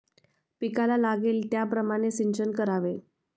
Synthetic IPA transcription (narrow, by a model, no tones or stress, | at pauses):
pikalalaɡelt̪japɾəmaɽ̃esiɲt͡ɕənkəɾaʋe